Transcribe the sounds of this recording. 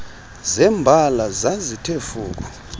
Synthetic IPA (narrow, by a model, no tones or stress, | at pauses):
zɛmbʱalazazitʰefuːk̬ɔ